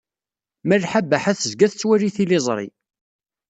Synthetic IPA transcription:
mərħabːəħæθəzɡæθt͡sːwæɾiθilɪzˤɾˤḭ

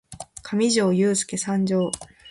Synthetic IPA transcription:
kʰamʲiʑo̞ːjɨːsɨ̥ke̞sãɲd͡ʑo̞ː

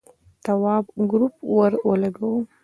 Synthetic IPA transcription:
t̪awɑbɡɾupwaɾwəlaɡawu

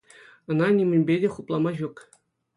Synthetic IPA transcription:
ɤ̆nɑnʲimʲɘ̆nʲbʲedʲeχuplˠɑmɑʑuk

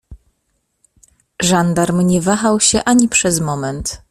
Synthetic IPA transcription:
ʐand̪aɾmɲɛvaxawɕɛʔaɲipʂɛzmɔmɛnt̪

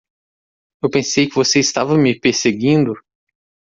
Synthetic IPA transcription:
ewpẽsejkɪvoseɪst̪avɐmɪpeɾseɡĩnd̪ʊ

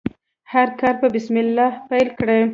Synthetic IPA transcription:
haɾkɑɾpəbɪsmɪlːɑhpajlkɽe

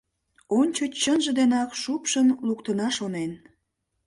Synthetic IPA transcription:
onʲt͡ɕot͡ɕt͡ɕːənʒə̆d̪enɑkʃupʃənlukt̪ənɑʃonen

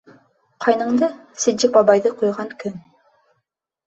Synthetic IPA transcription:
qʰɑjnɤ̆ɴd̪ɤ | sɘ̆d͡ʒɪk̚bɑbɑjðɤqujʁɑŋkɵŋ

